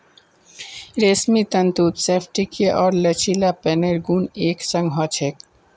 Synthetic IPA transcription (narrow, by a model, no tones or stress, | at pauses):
ɾeːsmit̪ənt̪uːt̪seːpʰʈikeʔɔːɾlət͡ʃʰilapeneɾɡuneːksə̃ŋɡɦɔt͡ʃʰeːk